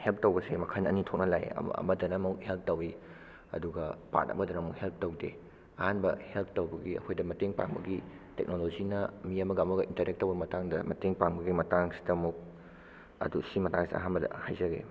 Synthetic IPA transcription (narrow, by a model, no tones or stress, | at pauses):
help̚ʰtowbɐsemɐkʰanɐnitʰok̚nɐlaj̰ɐ̰mɐdɐnɐmuk̚help̚ʰtɐwi | ɐ̰duɡɐpa̰t̚ɐ̰bɐdɐnɐmukhelp̚ʰtowde | ɐhanbɐhelp̚ʰtowbɐɡiɐ̰kʰojdɐmɐteŋpa̰ŋbɐɡi | tḛk̚nolozinɐmiɐmɐɡamɐɡɐʔintɐɾek̚tːɐwbɐmɐtaŋdɐmɐteŋpaŋbɐɡimɐtaŋsi̥dɐmuk̚ | ɐ̰dusimɐtaŋsia̰ɦanbɐdɐ̰hajzɐɡḛ